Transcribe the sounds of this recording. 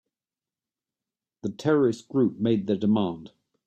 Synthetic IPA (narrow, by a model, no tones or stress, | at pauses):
ðətʰɛɹəɹɪsɡ̥ɹʉˑp̚meɪd̪̚ðədɪmɑ̃ːˑnd̥